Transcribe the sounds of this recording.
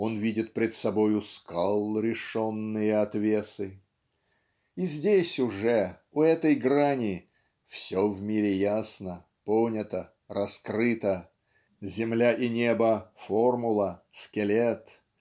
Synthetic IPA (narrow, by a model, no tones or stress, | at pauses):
o̞nvʲidʲɪt̪̚pɾʲɪt̪sɐbo̞jʊskalˠɾʲɪʂo̞nːɨjəɐt̪vʲe̞sɨ | izʲdʲesʲʊʐɛ | ʊɛt̪əjɡɾanʲɪ | fsʲovmʲiɾʲɪjasnə | ponʲət̪ə | rɐskrɨt̪ə | zʲɪmlʲaʔinʲe̞bəformʊlˠəskʲɪlʲet̪